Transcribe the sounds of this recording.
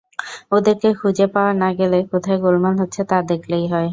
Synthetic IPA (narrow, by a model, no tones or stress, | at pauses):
od̪eɾkekʰud͡ʑepaoaɾnaɡelekot̪ʰaeɡolmanɦotːɕʰet̪ad̪ekʰlejɦɔe